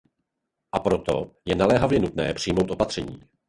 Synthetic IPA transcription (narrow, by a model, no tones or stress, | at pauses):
ʔapɾo̞t̪o̞̰jɛnalɛːɦavjɛnut̪nɛ̰ːpr̝̥ɪjmowt̪ʔpat̪r̥ɛɲiː